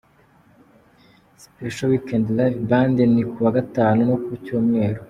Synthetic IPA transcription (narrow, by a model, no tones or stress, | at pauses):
sipeʃowikendlavbaːndenikuwaɡataːnunokuicoːmŋe̞ːɾo